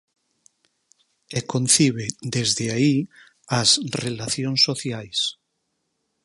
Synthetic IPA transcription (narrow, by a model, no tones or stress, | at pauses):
ekonθiβed̪ezðeai | asrelaθjonsoθjajs